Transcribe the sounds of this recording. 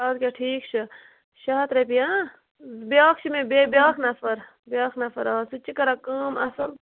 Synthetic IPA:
aːd̪kʲaʈʰiːkt͡ʃʰi | ʃaːt̪ɾepijãː | zbjaːkʰt͡ʃʰimẽbebjaːkʰnɐfɐɾ | bjaːknɐfʰɐɾaːsut͡ʃikɐɾakaːmɐsɐl

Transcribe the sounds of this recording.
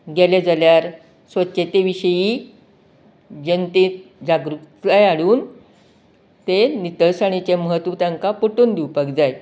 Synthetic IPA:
ɡeled͡zaljaɾ | sʋətːɕet̪eʋiɕəji | d͡ʑent̪ed͡ʑaɡɾukt̪ajaɽuːn | t̪enit̪əɾsaɽ̃it͡ɕeməɦət̪ʋət̪aŋkapoʈuːnd̪iupəkd͡zaj

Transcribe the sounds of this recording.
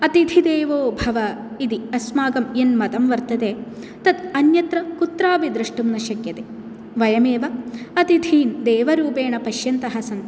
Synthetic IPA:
ɐt̪id̪ʱid̪eːʋoːbʱɐʋɐ | id̪iɐsmaːɡɐmjenmɐt̪ɐmʋɐɾt̪ɐt̪eː | t̪ɐd̪ɐnjɐt̪ɾɐkut̪ɾaːbid̪ɾiʂʈumnɐʃɐkjɐt̪e | ʋɐjɐmeːʋɐɐt̪id̪ʱiːnd̪eːʋɐɾuːpeːɳɐpɐʃjɐnt̪ɐɦɐsɐn

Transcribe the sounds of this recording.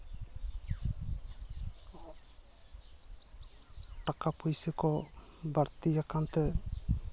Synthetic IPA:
ʈakapujsɛkɔ | baɾt̪ijakant̪ɛ

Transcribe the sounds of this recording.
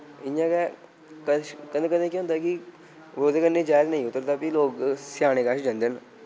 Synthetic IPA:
ɪãːkɛ | kəkəd̪ẽːkəd̪ẽːkĩɦʊ̃ːnd̪aːkɪ | ʋoːd̪eːkənːeːd͡ʒaːɾnəĩːʊt̪ːəɾd̪aːpiloːksɪjaːɽ̃eːkaːʃd͡ʒə̃nd̪en

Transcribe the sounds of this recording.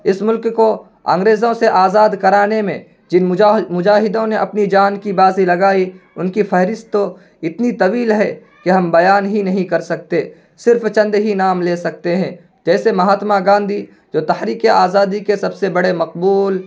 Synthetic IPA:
ɪsmʊlkko | ã̰ːŋɡɾeːzõseʔaːzaːd̪kɐɾaːnemḛ̃ | d͡ʒɪnmʊd͡ʒaːɦɪd̪õneʔɐpnid͡ʒaːnkibaːzilɐɡaːiʊnkifʰɐɦɾɪst̪o | ɪt̪nit̪ɐʋiːlɦɛ | keɦɐ̃mbɐjaːnɦinɐɦĩkɐɾsɐk̚t̪e | sɪɾft͡ʃɐ̃nd̪ɦinaːmleːsɐk̚t̪eɦɛ̃ː | d͡ʒɛːsemɐɦaːt̪maɡãːnd̪ʱi | d͡ʒoːt̪ɐhɾiːkeʔaːzaːd̪ikesɐbsebɐɽemɐqbuːl

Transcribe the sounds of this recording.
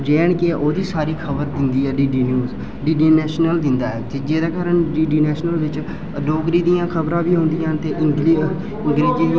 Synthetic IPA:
d͡ʒeːɳkeʔoːd̪iːsaːɾiːkʰəbəɾd̪ɪnd̪iːɛːɖiːɖiːnjuːz | ɖiːɖiːnɛːʃnəld̪ɪnd̪aːɛːd͡ʒɪd͡ʒeːd̪aːkaːɾəɳɖiːɖiːnɛːʃnəlʋɪt͡ʃ | ɖoːkɾiːd̪ijãːkʰəbɾãːbiːɦõːnd̪ɪjãːnt̪eːʔɪŋɡli | ɪ̃ŋɡɾeːd͡ʒiː

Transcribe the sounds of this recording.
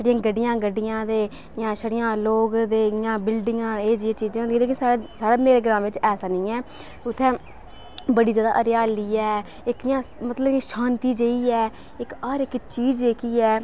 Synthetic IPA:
səɽɪjãːɡəɖɪjãːɡəɖɪjãːd̪eː | jãːʃəɽɪjãːloːɡd̪eːjãːbɪlɖɪŋɡãːeːd͡ʒɪãːt͡ʃiːd͡ʒãːd̪iːleːkɪnsasaːɽaːmeːɾeːɡəɾãːʋɪt͡ʃɛːsaːnĩːɛː | ʊt̪ʰːɛ̃ː | bəɽiːd͡ʒjaːd̪a̰ːʔəɾjaːliːɛː | ɪkjãːmət̪ləbɪʃaːnt̪iːd͡ʒeiːɛː | ɪkɔːɾɪkt͡ʃiːd͡ʒeːkiːɛː

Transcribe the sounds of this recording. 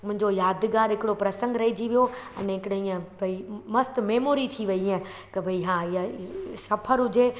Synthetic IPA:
mʊ̃ɦɪ̃ɲd͡ʑojaːd̪ɡaːɾɦɪkɪɽopɾɐsə̃ŋɡɾɐɦid͡ʑiʋijoɛ̰nɛɦɪkɪɽɐĩːə̃bʱɐimɐst̪meːmoːɾit̪ʰiʋɐiə̃ | k̪ɐbʱɐiɦãːijasɐpʰəɾɦʊd͡ʑe

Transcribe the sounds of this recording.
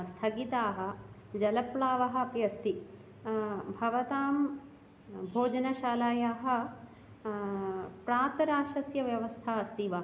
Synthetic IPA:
st̪ʰɐɡit̪aːɦɐ̆ | d͡ʒɐlɐpɭaːʋɐɦɐ̆pjɐst̪i | bʱɐʋɐt̪aːm | bʱoːd͡ʒɐnɐʃaːlaːjaːɦɐ̆ | pɾaːt̪ɐɾaːʃɐsjɐʋjɐʋɐst̪ʰaːɐst̪iʋɐ

